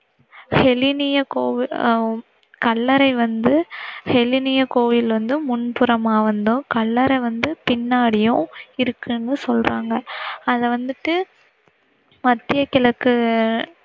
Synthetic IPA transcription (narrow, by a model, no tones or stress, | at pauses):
hɛlɪnɪjɐkoːʋɪ | kɐlːɐɾɐɪʋɐnd̪ɯhɛlɪnɪjɐkoːʋɪlʋɐnd̪ɯmʊnpʊɾɐmaːʋɐnd̪ʊ̃kɐlːɐɾɐɪʋɐnd̪ɯpɪnːaːɽɪjʊ̃ɪɾɯkːɯnːɯsɔlraːŋɡɐɐðɐʋɐnd̪ɯʈːɯ | mɐt̪ːɪjɐkɪlɐkːɯ